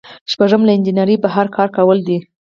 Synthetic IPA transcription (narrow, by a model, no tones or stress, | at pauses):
ʃpaʐəmlaɪnd͡ʒinɑɾibaɦɑɾkʰɑɾkawəld̪i